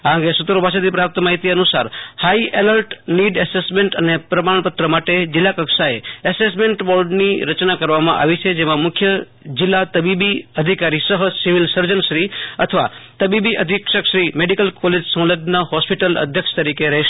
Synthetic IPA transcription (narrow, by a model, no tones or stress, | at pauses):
ãŋɡesut̪ɾobʱaʃʰət̪ipɾap̚t̪əmaɦit̪iənusaɾhaiʔeləɾʈniɖɛsesmeɳʈənepɾəmaɳpət̪ɾəmaʈed͡ʒɪlːakəkʃaeɛsesmeɳʈbɔɾɖniɾət͡ʃnakəɾʋamã̰ʔa̰ʋit͡ʃʰed͡ʒemãmʊkʰjə | d͡ʒɪlːat̪əbibiəd̪ʱikaɾisəɦəsiʋilsəɾd͡ʒənʃɾiət̪ʰəʋat̪əbibiʔəd̪ʱikʃəkʃɾimeɖikəlkɔled͡ʒsə̃ləd̪nəɦɔspiʈələ̰d̪ʱjəkʃə̥t̪əɾikeɾəɦeʃ